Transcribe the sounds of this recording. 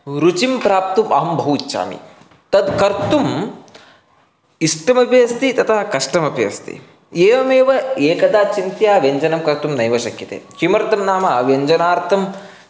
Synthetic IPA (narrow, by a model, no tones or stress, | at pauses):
ɾut͡ʃimpɾaːp̚t̪umʔɐɦɐmbʱɐɦutːʃa̰ːmḭ | t̪ɐd̪kɐɾt̪um | isʈɐmɐpjɐst̪it̪ɐt̪ʰaɦɐkɐʂʈɐmɐpjɐ̰st̪ḭ | eːʋɐmeːʋɐeːkɐd̪aːt͡ʃint̪jaːʋjɐɲd͡ʒɐnɐmkɐɾt̪umnɐjʋɐʃɐkjit̪ḛːt͡ʃimɐɾt̪ɐmnaːmɐʋjeɲd͡ʒɐnaːɾt̪ʰɐm